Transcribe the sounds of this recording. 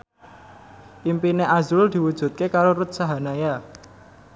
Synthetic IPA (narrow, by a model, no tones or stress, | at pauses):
ʔimpineʔazʊld̪̥i̤wud̥ʒ̥ṳt̪̚kekaɾoɾut̪̚saɦa̤naja